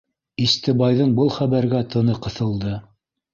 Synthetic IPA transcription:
ist̪ɘ̆bɑjðɤɴbɤlˠχæβæɾɡæt̪ʰɤ̆nɤqɤ̆θɤ̆lˠd̪ɤ

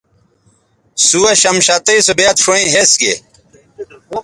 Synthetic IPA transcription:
suɐɕɐmɕat̪ɐisobeat̪ʂoĩɦesɡḛ

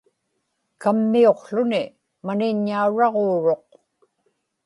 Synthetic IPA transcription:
kamːio̞qɬʊnɪ | manɪɲːauɻɑʁoːɻo̞q̚

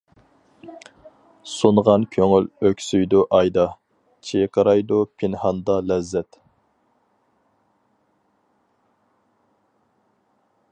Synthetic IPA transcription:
sunʁɑnkʲʰøŋyløkʲsyjd̪uʔɑjd̪ɑ | t͡ʃʰejqʰəɾɑjd̪upʰinhɑnd̪ɑlɛzːɛt̪

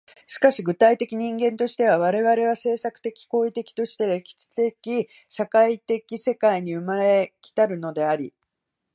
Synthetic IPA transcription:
ɕi̥kaɕiɡɯ̟t̪ait̪e̞kʲiɲ̟ĩŋɡẽ̞nt̪o̞ɕi̥t̪e̞β̞aβ̞aɾe̞βaɾe̞β̞ase̞ːsakɯ̟̥t̪e̞kʲi̥ko̞ːit̪e̞kʲi̥t̪o̞ɕi̥t̪e̞ɾekʲi̥t͡st̪ekʲi | ɕakait̪e̞kʲise̞kaiɲ̟iɯ̟maɾe̞kʲi̥t̪aɾɯ̟no̞d̪e̞aɾʲḭ

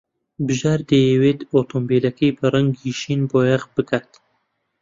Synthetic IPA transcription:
bɨʒaːɾd̪ejewet̪ot̪ʰoːmbelɐkʰɐjbɨraŋɡiʃinboːjaʁbɨkʰat̪

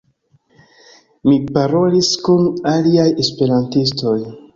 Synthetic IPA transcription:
mipaɾo̞liskunaliaje̞spe̞ɾantisto̞j

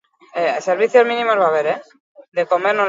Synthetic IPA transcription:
eseɾβ̞iθjo̞zmĩnĩmozβaːβe̞ɾe | d̪eko̞meɾno

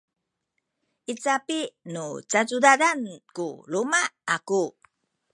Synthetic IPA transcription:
ʔit͡sapinut͡sat͡sudadankulumaaku

